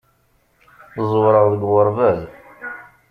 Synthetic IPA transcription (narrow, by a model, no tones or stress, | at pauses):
θəzˤwɾˤəʁðəɡwəɾˤvæz